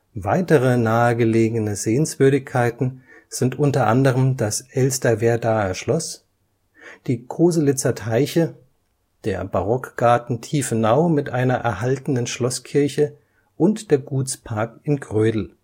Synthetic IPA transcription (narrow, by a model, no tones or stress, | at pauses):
vaɪtəʁ̞ənaːəɡəleːɡənəzeːənsv̥ʏɐɾɪçkʰːaɪtn̩z̥ɪntʔʊntɐʔa̰ndəʁəmdasʔɛlstɐveːɐdaːəʃlɔs | d̥iːkʰoːzəlɪt͡sɐtʰaɪçə | d̥eːɐbaʁɔkɡ̥aɐtn̩tʰiːfənaʊmɪtʔaɪnɐʔɛɐɦaltən̩ənʃlɔskʰɪɐçə | ʔʊntd̥eːɐɡuːt͡spʰaɐkɪnɡʁøːdl̩